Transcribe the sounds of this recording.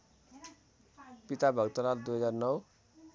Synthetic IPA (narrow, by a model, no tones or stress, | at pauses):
pit̪abʱʌɡt̪ʌlald̪ujɦʌd͡zarnʌw